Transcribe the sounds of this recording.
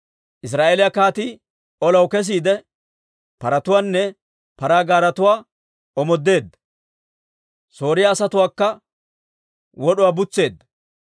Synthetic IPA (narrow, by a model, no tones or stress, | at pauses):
ʔɪs̬ɾaːʔeːlɪjɐkaːt̪i | ɔlɐwkɛs̬iːd̪ɛ | pɐɾɐt̪ʊwaːnːɛ | pɐɾaːɡaːɾɐt̪ʊwaː | ɔmɔd̪ːe̞ːd̪ːɐ | so̞ːɾɪjaːsɐt̪ʊwaːkːɐ | wɔɗʊwaːbʊt͡sːe̞ːd̪ːɐ